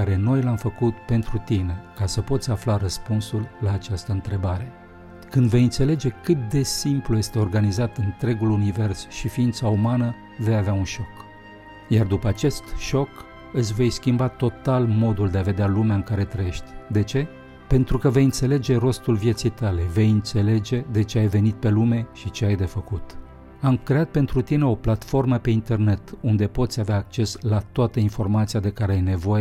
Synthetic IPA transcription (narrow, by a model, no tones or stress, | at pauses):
aɾe̞no̞jlamfəkut̪pe̞nt̪ɾut̪ine̞kasəpo̞t̪sʲaflaɾəspunsulːaːt͡ʃast̪əɨnt̪ɾe̞baɾe̞ | kɨnd̪ve̞jɨnt̪se̞le̞d͡ʒe̞kɨt̪̚d̪e̞simpluje̞st̪e̞orɡanizat̪ɨnt̪ɾe̞ɡulunive̞rsʃifiint̪saumanə | ve̞javeaunʃo̞k | jard̪upəat͡ʃe̞st̪ʃo̞k | ɨsʲve̞jskʲimbat̪o̞t̪almo̞d̪uld̪eave̞d̪ealumeaɨŋkaɾe̞t̪ɾəje̞ʃt̪ʲd̪e̞t͡ʃe̞ | pe̞nt̪ɾukəve̞jɨnt̪se̞le̞d͡ʒe̞ro̞st̪ulvjet̪sijt̪ale̞ve̞jɨnt̪se̞le̞d͡ʒe̞d̪e̞t͡ʃe̞ajve̞nit̪̚pe̞lume̞ʃit͡ʃe̞ajd̪e̞fəkut̪ | amkɾe̞at̪̚pe̞nt̪ɾut̪ine̞o̞plat̪fo̞rməpe̞int̪e̞rne̞t̪und̪e̞po̞t̪sʲaveaːk̚t͡ʃe̞slat̪oat̪əinfo̞rmat̪siad̪e̞kaɾeajne̞vo̞je